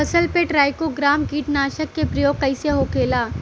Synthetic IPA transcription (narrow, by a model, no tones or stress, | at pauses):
ɐsəlpeʈɾaːjkoɡɾaːmɡiːʈnaːʃəkːepɾɐjoːɡ̚kɐɪseɦokʰeːlaː